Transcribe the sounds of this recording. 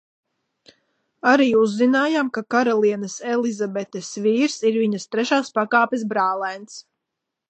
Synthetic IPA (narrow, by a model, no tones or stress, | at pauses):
aɾiːuzːinaːjamkakaɾalˠiɛnɐsɛlizabɛt̪ɛsviːɾsiɾviɲɐst̪ɾɛʃaːspakaːpis̬bɾaːlˠɛjnt̪s